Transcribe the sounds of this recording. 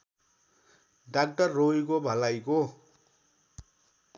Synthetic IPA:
ɖak̚ʈʌrːojkobʱʌlajko

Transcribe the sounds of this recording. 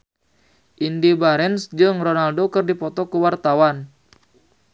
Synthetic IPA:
ʔindibaɾɛnsd͡ʒɨŋrɔnaldokərdipɔt̪ɔkuwart̪awan

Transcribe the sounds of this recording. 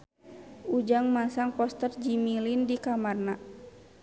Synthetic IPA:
ʔud͡ʒaŋmasaŋpɔst̪ərd͡ʒimilindikamarna

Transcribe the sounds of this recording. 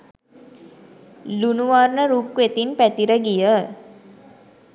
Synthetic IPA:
lunuʋarnəɾukʋet̪inpæt̪iɾəɡijə

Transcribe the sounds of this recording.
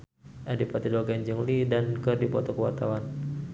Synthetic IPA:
ʔadipat̪idɔɡaɲd͡ʒəŋlidankərdipɔt̪ɔkəwa̰rt̪awan

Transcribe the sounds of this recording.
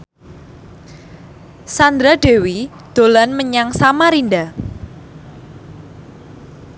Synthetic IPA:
sand̪ɾaɖ̥e̤wi | d̪̥olanməɲaŋsamaɾinda

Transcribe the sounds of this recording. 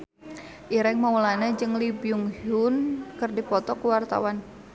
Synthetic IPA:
ʔiɾɛŋmaulanad͡ʒɨŋlibjuŋhʊnkɨrdipɔt̪ɔkuwart̪a̰wan

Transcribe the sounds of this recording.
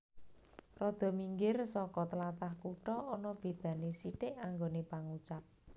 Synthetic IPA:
rɔd̪̥ɔ̤miŋɡɪrsɔkɔt̪əlat̪ahkuʈɔːnɔb̥e̤d̪̥ä̤nesiɖɪʔaŋɡonepaŋut͡ʃap̚

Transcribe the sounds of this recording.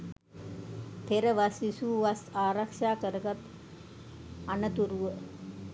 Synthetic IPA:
t̪ʰeɾəʋasisuːʋasaːɾakʂaːkəɾəɡat̪ | anət̪uɾuʋə

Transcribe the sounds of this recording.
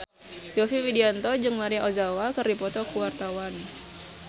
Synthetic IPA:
jɔfiwidiant̪ɔd͡ʒɨŋmaɾiaʔozawakərdipɔt̪ɔkuwart̪awan

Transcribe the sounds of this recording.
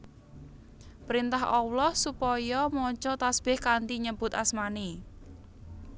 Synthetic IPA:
pɾint̪aɦʔɔwlɔhsupɔjɔmɔt͡ʃɔt̪asb̥ɪhkant̪iɲəb̥ʊt̪asmani

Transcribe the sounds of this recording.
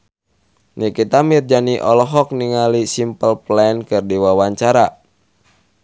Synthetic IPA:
nikit̪amird͡ʒaniʔɔlɔɦɔk̚niŋalisimpəlplankɨrdiwawaɲt͡ʃaɾa

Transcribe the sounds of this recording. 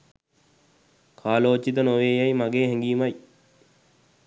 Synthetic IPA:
kʰaːloːt͡ʃit̪̬ənoʋeːjajmaɡeːɦɛŋɡiːmaj

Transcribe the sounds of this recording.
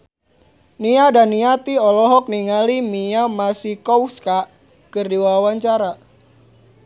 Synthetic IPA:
niadaniat̪iɔlɔɦɔk̚niŋalimijamasikɔwska | kɨrdiwawaɲt͡ʃaɾa

